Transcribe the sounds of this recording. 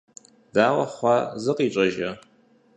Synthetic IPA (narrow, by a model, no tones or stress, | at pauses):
d̥aːwɐχʷɑzɨqʼiːt͡ʃʼɐʒɐ